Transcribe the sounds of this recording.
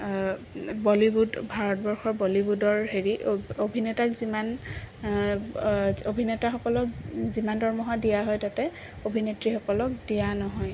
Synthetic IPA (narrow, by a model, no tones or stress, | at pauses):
bɔlibudbʱaɹɔt̚bɔɹxɔɹbɔlibudɔɹɦeɹiʔobʱinɛtakziman | obʱinɛtaxɔkɔlɔkzimandɔɹmɔɦadijaɦɔjtatɛ | obʱinetɹixɔkɔlɔk̚dijanɔɦɔj